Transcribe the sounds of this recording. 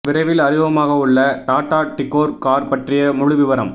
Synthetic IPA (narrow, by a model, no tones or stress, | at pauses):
ʋɪɾɐɪʋɪlɐɾɪʋɐmaːɣɐʊɭːɐʈaːʈːaːʈɪkːoːɾkaːɾpɐʈrɪjɐmʊɻɯʋɪʋɐɾɐ̰m